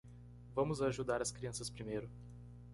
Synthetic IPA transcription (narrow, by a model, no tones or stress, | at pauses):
vɐ̃mʊzaːʒud̪aɾɐskɾiɐ̃sɐspɾimejɾʊ